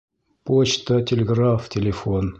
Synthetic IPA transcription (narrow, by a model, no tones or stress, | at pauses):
pot͡ɕt̪ətʲɪlʲɪɡraftʲɪlʲɪfon